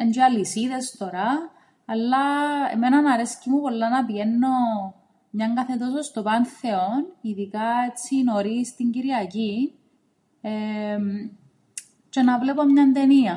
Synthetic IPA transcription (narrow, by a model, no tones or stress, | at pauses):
end͡ʒoɐlisiðest̪o̞ɾɐː | lːɐḛmenɐnɐɾescimupo̞lːɐnɐpijenːo̞ | mɲɐŋɡɐθet̪os̬ost̪opɐnθe̞oniðikɐet͡sʰːinoɾist̪iɲɟiɾiɐci | em | t͡ʃenɐvle̞pomɲɐnd̪eniɐ